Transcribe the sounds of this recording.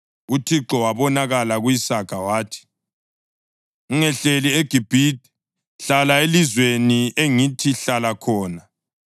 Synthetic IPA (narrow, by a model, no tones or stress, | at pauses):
utʰiǁɔwaβɔnaɣalaɣujisaɡ̥ʱawaːtʰi̥ | uŋɛɬelieɡ̥ʱib̥ʱiti̥ | ɬalaelizweniʔeŋitʰiɬalakʰɔːna